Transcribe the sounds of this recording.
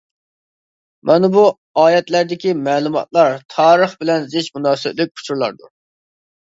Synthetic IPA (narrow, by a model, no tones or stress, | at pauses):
mʔɛnbu | ɑːjɛt̪læɾd̪ɪkʲimɛːlˠumɑ̰t̪̚lˠɑɾt̪ʰɑːɾəχbɪlɛnzɪʃmunɑːsɪblɪk̚ʲʰu̥t͡ʃʰuɾlˠɑ̰ɾd̪ṵ